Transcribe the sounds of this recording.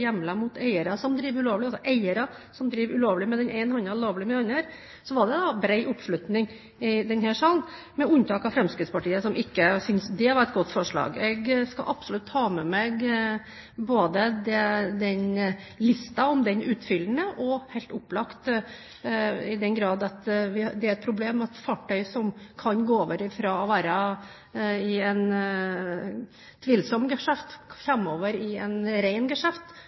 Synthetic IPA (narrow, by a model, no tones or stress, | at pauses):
jɛmːlɑmʊt̪ʰæɪəɾɑsɔmd̪ɾiːʋʉloːʋlɪɑsɔʔæɪəɾɑ | sɔmd̪ɾiːʋʉloːʋlɪmɛd̪ɛnʔɛɪnhɑnɑloːʋlɪmɛɑnːəɾ | sɔʋɑɖɛd̪ɑbɾæɪʔʊpːʂlʉt̪nɪŋ | ɪd̪ɛnhæːʂɑːln | mɛʉnt̪ʰɑːkɑfɾɛmskɾɪt̪spʰɑʈiːəsɔmʔɪkːəsʏnsd̪ɛɑʋɑɾɛt̪̚ɡɔt̪ːfɔʂɭɑ̰ːɡɛɡskɑ̰lʔɑpsʊlʉt̪ʰːhɑːmɛmɛɡ | boːd̪əd̪ɛd̪ɛn | lɪst̪ɑɔmd̪ɛnʉːt̪fʏlənəʔɔhæɪlt̪ʊpːlɑkt̪ | ɪd̪ɛnɡɾɑːd̪ɑt̪ʋɪd̪ɛæɾɛt̪̚pʰɾʊbleːmɑt̪fɑːʈʰœʏsɔmkʰɑnɡoːoːʋəɾɪfɾɑːɔʋæːɾə | ɪɛn | t̪ʰʋiːlsɔmːɡɛʂæft̪fɾæmːoːʋəɾɪɛnɾæɪnɡɛʂæft̪